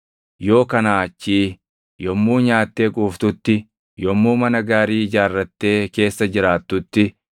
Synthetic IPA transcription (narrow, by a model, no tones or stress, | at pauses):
jo̞ːkɐnaːt͡ʃːiː | jɔmːuːɲaːt̪ːe̞ːkʼuːft̪ʊt̪ːɪ | jɔmːuːmɐnɐɡaːɾiːd͡ʒaːrːɐt̪ːe̞ːke̞ːsːɐd͡ʒɪɾaːt̪ːʊt̪ːɪ